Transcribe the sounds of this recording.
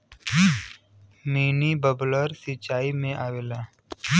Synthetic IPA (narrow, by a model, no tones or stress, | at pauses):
miːnibəbləɾsɪt͡ʃaːimẽʔaːweːlaː